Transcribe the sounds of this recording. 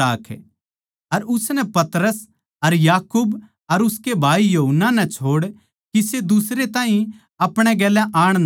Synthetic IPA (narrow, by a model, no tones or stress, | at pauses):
aːkʰ | ɐɾʊsnɛpɐt̪ɾəs | ɐɾjaːkuːb | ɐɾʊskebʱaːijɐɦənːanɛt͡ʃʰoːɽ | kised̪ʊsɾet̪ãːɦĩ | ɐpɽ̃ɛɡɛːlɛ̃ʔaːɽ̃